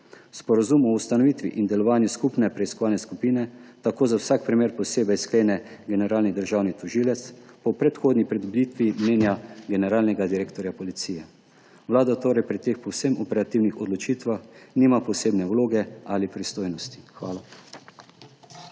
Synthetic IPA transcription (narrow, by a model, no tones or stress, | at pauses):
spɔɾazumɔust̪anɔʋiːt̪ʋḭʔind̪ɛlɔʋaːnjuskupnɛpɾɛiskɔʋaːlnɛskupiːnɛt̪akoːzawsaːkpɾimeːɾpɔseːbɛjskleːnɛɡɛnɛɾaːlnid̪əɾʒaːwnit̪ɔʒilɛt̪spɔpɾɛt̪xoːd̪nipɾɛd̪ubliːt̪ʋimneːnjaɡɛnɛɾaːlnɛɡad̪iɾeːkt̪ɔɾjapɔlit̪siːjɛ | ʋlaːd̪at̪oːɾɛjpɾit̪eːxpɔwsɛmɔpɛɾat̪iwnixɔd̪lɔt͡ʃiːt̪ʋaxniːmapɔseːbnɛwloːɡɛalipɾist̪oːjnɔst̪i̥xʋa̰ːla